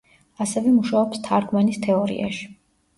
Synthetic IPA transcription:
asɛvɛmuʃaɔpst̪ʰaɾɡmanist̪ʰɛɔɾḭʔa̰ʃi̥

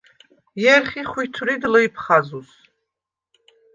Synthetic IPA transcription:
jerχʲiχʷijtʰuridlojpʰχazus

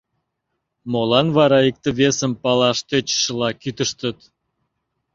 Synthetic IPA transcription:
molɑnβɑɾɑik̚t̪ə̆βesəmpɑlɑʃt̪et͡ɕʃəlɑkyt̪əʃt̪ət̪

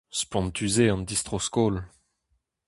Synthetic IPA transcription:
spɑ̃nt̪yzeɑ̃nd̪ist̪χoskol

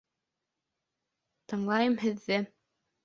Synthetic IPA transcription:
t̪ɤ̆ɴlˠɑjɤmɦɘ̆ðːɘ

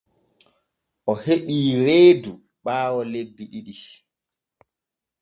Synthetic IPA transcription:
ʔɔheɗiːɾeːdu | ɓaːwɔlebːiɗiɗi

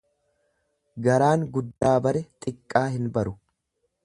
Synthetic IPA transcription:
ɡɐɾaːŋɡʊd̪ːaːbɐɾɛt̪ʼɪkʼːaːɦɪnbɐɾʊ

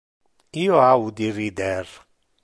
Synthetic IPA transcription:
iɔaud̪iɾid̪ɛr

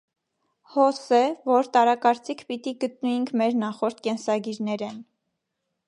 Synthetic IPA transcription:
hɔsɛvɔɾt̪ɑɾɑkɑɾt͡sikʰpit̪iɡət̪̚nujiŋkʰmɛɾnɑχɔɾt̪̚ʰkɛnsɑɡiɾnɛɾɛn

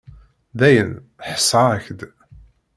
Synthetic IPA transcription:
ðæjən | ħə̥sɑəçd̪

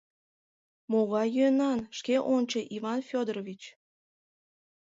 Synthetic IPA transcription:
moɣɑjønɑnʃkeʔonʲt͡ɕəʔivɑnfʲod̪rovʲit͡ɕ

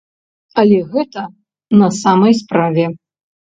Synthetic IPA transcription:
ɐlʲɛɣɛt̪ɐ | nɐsamɐjspɾavʲɛ

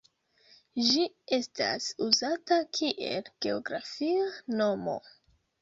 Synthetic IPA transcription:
ʒi | e̞sta̰suzatakʰiʔe̞̰lɡ̥e̞oɡɾafiano̞mo̞̰

